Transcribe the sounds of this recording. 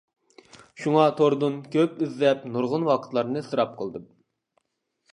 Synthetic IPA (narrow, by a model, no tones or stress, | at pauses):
ʃuŋɑt̪ʰoɾd̪unkʲʰøpyzlɛp̚nuɾʁʊnwɑqʰə̥t̪lˠɑɾnɨsɨɾɑp̚qʰəlˠd̪ɨm